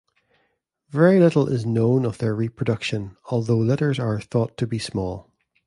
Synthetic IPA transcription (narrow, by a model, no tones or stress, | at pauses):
vɛɹilˠɪʔl̩ˠʔɪ̰znõnəvðə˞ɹipʰɹ̥ədʌkʃə̃nɔlˠðoːlˠɪʔə˞zə˞θɔtʰəbismɔlˠ